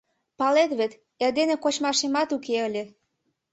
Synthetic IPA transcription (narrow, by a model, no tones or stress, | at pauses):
pɑlet̪βet̪ | erd̪enĕkot͡ɕmɑʃemɑt̪ukeəlʲĕ